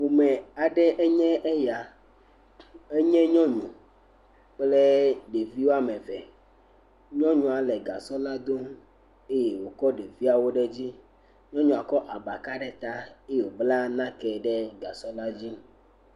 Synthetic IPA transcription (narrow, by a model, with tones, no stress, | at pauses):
wo˨mɛ˨a˨ɖɛ˦ʔɛ˦ɲɛ̃˦ʔe˦ja˨ | e˦ɲɛ̃˦ɲɔ̃˦ɲṵ̃˨ | k͡plɛ˦ɖe˨vi˦wo˦a˦mɛ̃˨vɛ̰˨ | ɲɔ̃˦ɲũ˨a˨lɛ˨ɡa̰˨sɔ˦la˦d̪o˦m | e˦jɛ˨wo˨kɔ˦ɖe˨vi˦a˨wo˦ɖɛ˦d͡ʑi˦ | ɲɔ̃˦ɲũ˨a˨kɔ˦ʔa˨ba˨ka˦ɖɛ˨t̪a˦e˦jo˨bla˦nã˦kɛ˨ɖɛ˦ɡa˨sɔ˦la˦d͡ʑi˦m˦